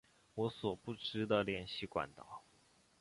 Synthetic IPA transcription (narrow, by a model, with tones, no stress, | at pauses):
wɔ˧˥swɔ˨˩pu˥˩ʈ͡ʂɻ̩˥d̪ə˨ljɛ˨˩nɕi˥˩kwa̰˨˩˦nt̪ɑ˨˩˦ʊ